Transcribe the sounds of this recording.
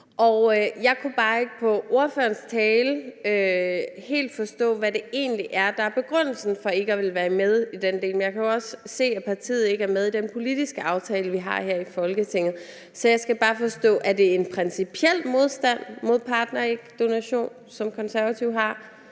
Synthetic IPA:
ʔɒʊjɑ̈ɪkʰub̥ɑ̈ːe̝ɡ̥əpʰɒ̽ʔo̝ɐføɐnst͡sʰɛːləøhe̝̰ːld̥fɒ̽sd̥ɔ̰̽ːʋæde̝e̝̰ːnliʔæɐd̥ɑ̈æɐb̥e̝ɡ̥ʁɔn̰l̩sn̩fɒ̽e̝ɡ̥əɒʋe̝lʋæːɐmeð̞ˠid̥end̥e̝̰ːlmenjɑ̈ɪkʰæjoɒ̽sse̝̰ːæpʰɑ̈t͡sʰḭːð̞̩ˠe̝ɡ̥əæɐmeðˠid̥enpʰo̝lid̥isɡ̥əʔɑ̈ʊt͡sʰɛːləʋiɦɑ̈heɐ̰ifɒ̽lɡ̥ət͡sʰe̝ŋ̰ð̩ˠ | sɒ̽jɑ̈ɪsɡ̥æb̥ɑ̈ːfɒ̽sd̥ɔ̰ːʔæd̥e̝enpʰʁɛnsipʰiel̰mo̝ð̞ˠsd̥æn̰mo̝ð̞̰ˠpʰɑ̈ːd̥nɐeɡ̥d̥o̝næɕo̝̰ːn | sɒ̽mkʰɒ̽nsæɐʋæt͡sʰiʊɦɑ̈

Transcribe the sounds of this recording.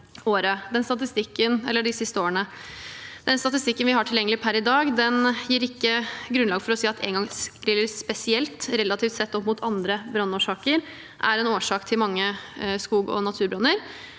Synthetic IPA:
oːɾəd̪ɛnst̪ɑt̪ɪst̪ɪkːənɛ̰lːəɖɪsɪst̪əoːəɳə | d̪̥ɛnst̪ɑt̪ɪst̪ɪkːənʋɪhɑʈʰɪljɛŋːəlɪpʰæɾɪd̪ɑːɡd̪ɛnjiːɾɪkːəɡɾʉnlɑːɡfɔɾɔsiːɑt̪ʰɛ̰ːŋɡɑŋsɾɪləɾspɛsɪɛlt̪ɾɛlɑt̪ʰift̪sɛt̪ːɔpːmʊt̪ʰɑnd̪ɾəbɾɑnːuːʂɑːkəɾ | ʔæɾɛnoːʂɑːkt̪ʰɪlmɑŋːəskuːɡɔ̰nɑt̪ʰʉːɾbɾɑnːəɾ

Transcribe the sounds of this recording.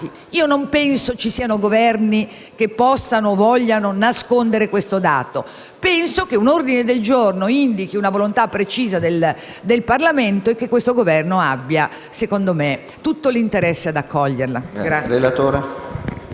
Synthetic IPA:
i | iːonompɛnsot͡ʃisiːanoɡovɛrni | k̟epːɔsːanoːvɔʎːanonaskond̪eɾekwest̪od̪a̰ːt̪o | pɛnsokeunord̪ined̪eld͡ʒornoind̪ikiunavolont̪apːɾet͡ʃiːzad̪el | d̪elparlament̪oekːekːwest̪oɡovɛrnoabːja | sekond̪ome | t̪ut̪ːolint̪eɾɛsːead̪akʰːɔʎːerla̰ɡɾaelat̪oːɾe

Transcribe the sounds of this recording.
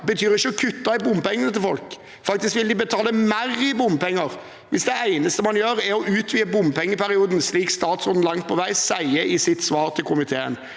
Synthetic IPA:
bət̪ʰyːɾɪçːəɔkʰʉt̪ːɑæbʊmːpɛŋːənət̪ɪlfɔlk | fɑk̚t̪ɪskʋɪld̪ɪbət̪ʰɑːləmæɾɪbʊmpɛŋːəɾ | ʋɪsd̪ɛæɪnəst̪əmɑnjøːɾæɾɔʔʉːt̪ʰʋiːəbʊmpʰɛŋːəpʰæɾɪuːd̪n̩sliːkst̪ɑːt̪sɾɔːd̪n̩lɑŋt̪̚pʰɔʋæɪsæɪəʔɪsɪt̪sʋɑːɾt̪ʰɪlkʰʊmɪt̪ʰeːə̰n

